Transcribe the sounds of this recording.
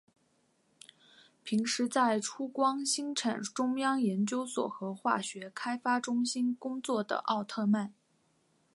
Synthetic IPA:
pʰi˧˥ŋʂɻ̩˧˥t͡sa˥˩ɪʈ͡ʂʰu˥kwɑ˥ŋɕi˥ŋʈ͡ʂʰa˨˩nʈ͡ʂʊ˥ŋjɑ˥ŋjɛ˧˥nt͡ɕjo˥ʊswɔ̰˨˩xɤ˧˥xwa̰˥˩ɕɥɛ˧˥kʰa˥ɪfa˥ʈ͡ʂʊ˥ŋɕi˥nkʊ˥ŋt͡swɔ˥˩d̪ə̰˩ʔɑ˥˧ʊt̪ʰɤ˥˧ma˥˩n

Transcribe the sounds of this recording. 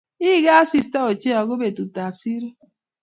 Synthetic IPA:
i˦ɡa˦a˦si˦sta˦o˨t͡ʃe˦ɔ˨ɡo˦be˨tu˨ta˨bsi˦ɾo˦

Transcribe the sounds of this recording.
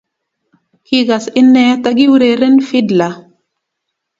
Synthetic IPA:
ki˦ɡa˨si˦nːɛ˦ta˦ɡi˦wɾe˨ɾe˦nfi˦dla˨

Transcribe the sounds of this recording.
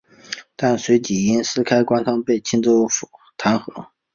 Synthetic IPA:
t̪a˥˩nswe˧˥ɪt͡ɕi˨˥˩i˥nsɹ̩˥kʰa˥ɪkwa˥nt̪ʰɑ˥ŋpe˥˩ɪt͡ɕʰi˥nt͡so˥˩ʊfu˨˩t̪ʰa˧˥nxɤ˧˥

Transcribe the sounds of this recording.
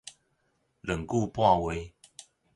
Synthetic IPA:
lə˨˩ŋku˥˧pwa˥˨we˨˦

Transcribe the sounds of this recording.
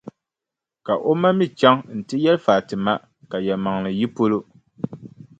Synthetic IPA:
ka˨ʔo˦ma˦mi˦t͡ʃa˦ŋn̩˨tɨ˦jɛ˦lfaː˨tɨ˨ma˦ | ka˨jɛ˨ma˨ŋnɨ˨ji˦po˦lo˦

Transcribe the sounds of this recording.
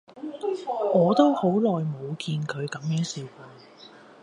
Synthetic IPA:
ŋɔː˨˧t̪o˥who˨˥wlɔː˨jmo˨˧wkiː˧nkʰɵ˨˧ɥkɐ˨˥mjœː˨˥ŋsiː˨˩wkuː˧

